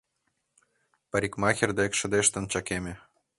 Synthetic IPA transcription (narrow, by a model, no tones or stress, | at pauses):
pɑɾʲikmɑxʲerd̪ekʃɤ̆d̪eʃt̪ɤ̆nt͡ɕɑkʲemʲĕ